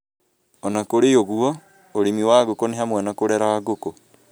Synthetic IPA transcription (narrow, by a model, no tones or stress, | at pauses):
ɔnakoɾejoɣuɔ | oɾemiwaɣokoneɦamwanakoɾɛɾaɣoko